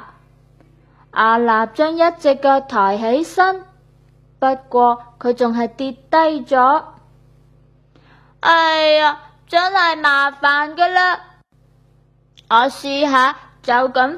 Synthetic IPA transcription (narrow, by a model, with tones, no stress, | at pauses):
ʔaː˨laː˨˩p̚t͡ʃœː˥ŋjɐ˥t̚t͡sɪ˨kːɐː˧k̚t̪ʰɔː˨˩jɦe˨˥jsɐ˥n | pɐ˥t̚kʷɔː˧kʰɵ˨˧ɥt͡sʊ˨ŋɦɐ˨jt̪iː˧tt̪ɐ˥jt͡sɔː˨˥ | ʔɐ˨˧ja˨˧ | t͡sɐ˥ŋhɐ˨jmaː˨˩faː˨nkəː˧laː˥ | ŋɔː˨˧siː˧ɦaː˨˧ | t͡sɐ˨˧wkɐ˨˥m